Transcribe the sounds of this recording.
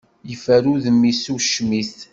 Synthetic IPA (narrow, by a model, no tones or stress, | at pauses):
jəfæɾuðəmːisuʃmis